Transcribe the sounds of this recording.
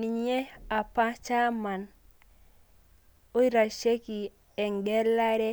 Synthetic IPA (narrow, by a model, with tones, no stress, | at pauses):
ni˨ɲe˦a˨pa˦t͡ʃa˦ma˨n | o˦i˦ɾa˨ʃe˦ki˨ | ɛ˨ŋɡɛ˦la˦ɾɛ˦